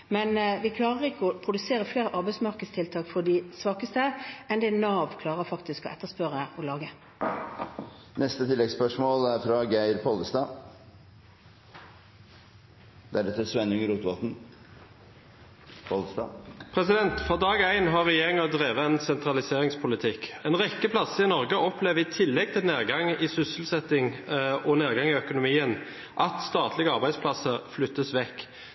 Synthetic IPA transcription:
mɛnʋɪkʰlɑːʁəʁɪkːəɔpʰʁʊd̪ʉseːɾəfleːɾəʔɑɾbæɪsmɑʁkəd̪st̪ɪlt̪ʰɑːkfɔd̪ɪsʋɑːkəst̪əʔɛnd̪ɛnɑːʋkʰlɑːʁəfɑkt̪ɪskɔ̰ʔɛt̪ːəspœʁəʔɔlɑːɡə | nɛst̪ət̪ʰɪlːɛɡspœʂmoːlæɾfɾɑɡæɪɾpʰɔləst̪ɑː | d̪̥ɛæɖɛt̪ːəsʋɛnʉŋəɾuːt̪ʋɑːt̪n̩ | pʰɔlst̪ɑ̰pʰɾɛsɪd̪ɛnt̪fɾɑd̪ɑːɡæɪnɦɑʁɛjeeːʁɪŋɔd̪ʁeːʋəɛnsɛnt̪ʁɑlɪseːʁɪŋspʰʊlɪt̪ʰɪkɛnʁɛkːəpʰlɑsəɪnɔʁɡəʔɔpleːʋəɪt̪ʰɪlːɛɡ̚t̪ʰɪlneːʁɡɑŋɪsʏsəl̩sɛt̪ːɪŋɔneːʁɡɑŋɪœkʊnʊmiːən | ʔɑt̪st̪ɑːt̪ʰlɪɡəɑɾbæɪspʰlɑsəʁflʏt̪ːəsʋɛkː

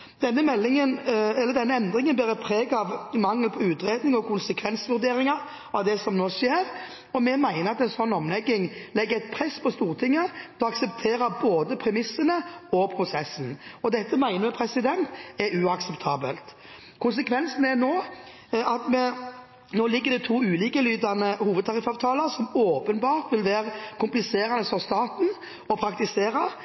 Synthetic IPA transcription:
d̪̥ɛnːəmɛlːɪŋənɛlːəd̪ɛnːəɛnd̪ɾɪŋənb̪æːɾɛpʰɾeːɡɑʋmɑŋːəlpʰɔʉːt̪ɾeːd̪nɪŋɔkʰʊnsəkʰʋɛnsʋʉɾd̪eːɾɪŋɑ | ʔɑʋd̪ɛsɔmnoːʂjeːɾ | ɔmɛmæɪnəɾɑt̪ɛnsɔnːɔmlɛɡːɪŋlɛɡːəɾæɪt̪̚pʰɾɛspʰɔst̪uːɾt̪ʰɪŋːəd̪ʰɛɑksɛpt̪ʰeːɾəboːd̪əpʰɾɛmɪsːənəɔpʰɾʊsɛsn̩ɔd̪ɛt̪ːəmæɪnəmɛpʰɾɛsɪd̪ɛnt̪ɛɾʉɑksɛpt̪ʰɑːbəlt̪ | kʰʊns̬əkʰʋɛnsn̩ɛnoː | ɑt̪mɛ | noːlɪɡːəɾd̪ɪt̪ʰuːʉːliːkəlyːd̪ɑnəhuːʋəd̪̚t̪ʰɑʁɪfɑːʋt̪ʰɑːləɾsɔmoːpənbɑːɾt̪ʋɪlʋæːɾəkʰʊmplɪseːɾɑnəsɔst̪ɑːt̪n̩ | ɔpʰɾɑkt̪ɪseːɾɑ

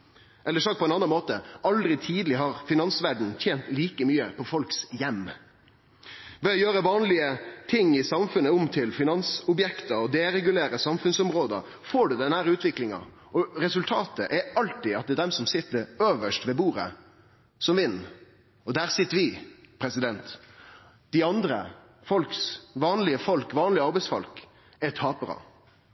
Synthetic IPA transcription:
ʔɛlːəʂɑːɡ̚pɔɛnɑnːɑnmoːt̪əʔɑld̪ɾɪt̪ʰiːd̪l̩ɪɦɑɾfɪnɑnsʋæɖɳ̩t̪ʰjeːnt̪liːkəmyːəpʰɔfɔlksjɛmː | ʋɛːɔjøːɾəʋɑːnlɪət̪ʰɪŋːɪsɑmfʉnːəʊmt̪ʰɪlfɪnɑnsʊbjɛkt̪əɔd̪eːɾɛɡʉleːɾəsɑmfʉnsɔmɾoːd̪ə̰ | foːɖʉd̪ɛnæːɾʉːt̪ʋɪklɪŋɑ̰ | ʔɔɾɛsʉlt̪ʰɑːt̪əʔɛɑlt̪ɪɑt̪̚d̪ɛːd̪ɛmsɔmsɪt̪ːəɾøːʋəʂtʋɛːbuːɾə̰ | sɔmʋɪnː | ɔd̪æːɾsɪt̪ːəɾʋɪpʰɾɛsɪd̪ɛnt̪ | d̪̥ɪɑnd̪ɾə̰ | fɔlksʋɑːnlɪəfɔlkʋɑːnlɪəɑɾbɛɪsfɔ̰lk | ɛt̪ʰɑːpəɾɑ̰

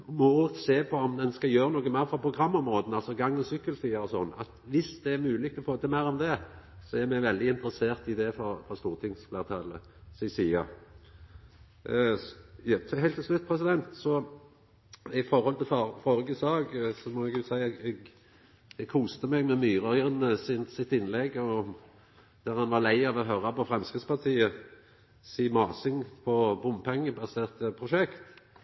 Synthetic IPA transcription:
mɔseːpʰɔɔmd̪ɛnskɑjøːɾənoːɡəmæɪɾfɾɑpʰɾʊɡʁɑmːɔmɾoːd̪n̩ɑlsɔɡɑŋːɔsʏkːəlsiːəɾɔsɔ̰nːɑ̰t̪ʋɪsd̪̥ɛːɾmʉːlɪk̚t̪lɔfoːt̪əmæɪɾɔmd̪ɛsɔæʁmɛɡʋɛld̪ɪɪnt̪ɾəseːʁt̪ɪd̪ɛfɔfɾɑst̪uːʁt̪ʰɪŋsflæːʁt̪ʰɑlə | sɪɪsiːɑ̰ | t̪ʰːɦæɪlt̪ʰːɪslʉt̪̚ːpʰʁɛs̬ɪd̪ɛnt̪sɔ | ɪfɔʁhɔlt̪ɪlfɑfɔɾəɡəsɑːɡsɔmɔɛɡʉsæɪɛɛɡ | ɛɡkʰuːst̪əmɛɡmɛmyːʁɑʏʁnəsɪnsɪt̪ɪnlɛɡɔ | d̪̥æʁhɑnʋɑʁlæɪɑʋɔɦøːɾɑpɔfɾʁɛmskʁɪt̪spɑʁt̪ʰiːə | siːmɑːsɪŋpʰɔbʊmpʰɛŋːəbɑseːʁt̪əpʰʁʊʃɛkt̪

